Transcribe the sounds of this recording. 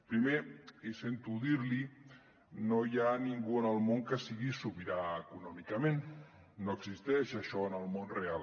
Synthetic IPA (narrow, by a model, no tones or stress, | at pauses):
pɾimeisent̪uðiɾli | nojaniŋɡuənəlˠmoŋkəsiɣisuβiɾaəkunɔmikəmẽnː | oəɡzist̪ɛʃaʃɔənəlˠmonreal